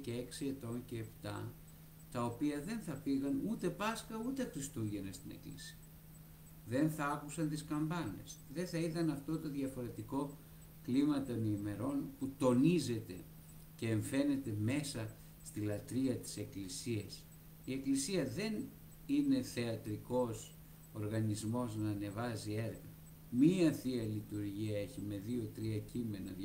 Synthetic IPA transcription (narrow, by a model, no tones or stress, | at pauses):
ceeksie̞t̪o̞nceːpt̪ɐ̰ | t̪ɐo̞piɐðe̞nθɐfiɣɐnut̪e̞pɐskɐut̪exɾist̪uʝe̞nest̪inḛklḭsi̥ɐ | ðe̞nθɐɐkusɐnt̪iskɐmbɐne̞̰sðe̞θɐit̪ɐnɐft̪o̞t̪o̞ðʝɐfo̞ɾe̞t̪iko̞ | klimɐt̪o̞niːme̞ɾo̞nput̪o̞nize̞t̪e̞̰ | ce̞ːɱfe̞ne̞t̪e̞me̞sɐ | st̪ilɐt̪ɾiɐt̪i̥se̞klisiɐs | ie̞klisiɐðe̞n | ine̞θe̞ɐt̪ɾiko̞s | oɾɣɐnizmo̞znɐːne̞vɐzie̞ɾɣɐ | miɐθiɐlit̪uɾʝiɐe̞çime̞ðio̞t̪ɾiɐcime̞nɐ